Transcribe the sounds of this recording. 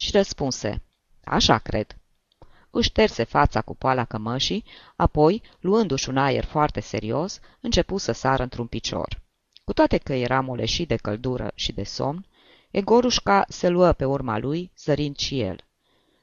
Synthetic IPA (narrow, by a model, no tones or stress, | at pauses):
ʃiɾəspunse̞̰ | a̰ʃa̰kɾe̞̰d̪̥ | ɨʃt̪erse̞fat̪sakupoalakəməʃi | apo̞j | luɨnd̪uʃʲunajḛrfoart̪e̞se̞̰ɾio̞s | ɨnt͡ʃe̞pusəsaɾʔəɨnt̪ɾunpit͡ʃo̰r | kut̪oat̪e̞kəje̞ɾʔamolḛʃid̪e̞kəld̪uɾə̰ʃid̪e̞so̞̰mn | eɡo̞ɾuʃkaseluəpe̞urma̰lujz̥əɾind̪ʃije̞̰l